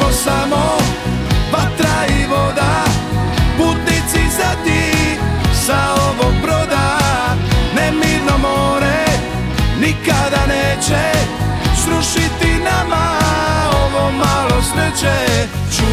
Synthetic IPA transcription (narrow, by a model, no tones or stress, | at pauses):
osamo | bat̪ɾaiʋod̪a | put̪nit̪sizat̪i | saoʋoɡ̚bɾod̪a | nɛmiːɾnomoːɾe | nikad̪aneːt͡ʃɛ | sɾuʃit̪inama | oʋomalosʋɛt͡ʃɛ | t͡ʃu